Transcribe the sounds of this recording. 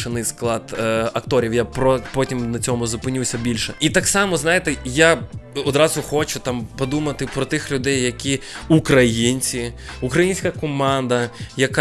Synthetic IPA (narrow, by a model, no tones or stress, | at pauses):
ʃɪnɪjsklˠɑd̪ɐkt̪ɔɾʲiwjapɾɔpɔtʲimnɐt͡sʲɔmʊzʊpɪnʲuwsʲɐbʲilʲʃɛit̪ɑksɑmɔznɑjet̪ɛjaɔd̪ɾɑzʊxɔt͡ʃʊt̪ɑmpɔd̪umɐt̪ɪpɾɔt̪ɪxlʲʊd̪ɛjːɐkʲiukɾɐjinʲt͡sʲi | ʊkɾɐjinʲsʲkɐkɔmɑnd̪ɐjɐk